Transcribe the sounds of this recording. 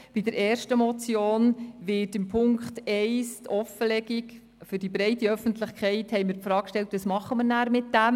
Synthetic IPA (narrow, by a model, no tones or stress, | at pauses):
b̥idəɾɛːɾʃtəmɔt͡sjoːnʋɪːtɪmpʰʊŋkχtɛɪstʰɔfəlɛɡik | fʏdibɾɛɪtiœfəntlɪχkχɛɪthɛɪmɪɾpfɾɑːkʃtɛltʋɑsmɑχəməɾnæːɾmɪt̚d̥æm